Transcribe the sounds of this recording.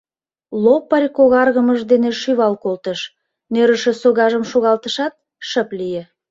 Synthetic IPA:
lopːərʲkoɣɑrɣəməʒd̪eneʃyβɑlkolt̪əʃ | nøɾəʃĕsoɣɑʒəmʃoɣɑlt̪əʃɑt̪̚ | ʃəplije

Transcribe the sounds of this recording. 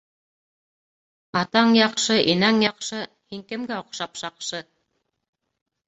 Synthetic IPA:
ɑt̪ɑɴjɑqʃɤʔinæŋjɑqʃɤ | hiŋkɘ̆mɡæŏqʃɑpʃɑqʃɤ

